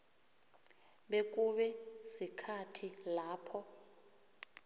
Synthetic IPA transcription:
ɓek̬ʼuɓɛsikʰatʰilaːpʰɔ

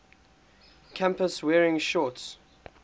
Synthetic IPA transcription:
kʰãmpəswɛːɹɪ̃ŋʃɔts

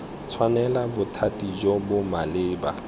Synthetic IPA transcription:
t͡sʰwanɛlabʊtʰatʼid͡ʒɔbʊmalɪːba

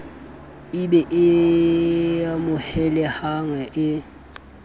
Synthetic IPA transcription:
ɪbɛʔɪ | amʊhɛlɛhaŋɛʔɪ

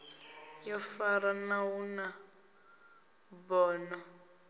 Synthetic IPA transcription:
jɔfaɾanawuna | bɔːnɔ

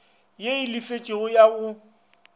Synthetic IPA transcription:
jeilɪfet͡ʃʼɪɣʊjaʊ

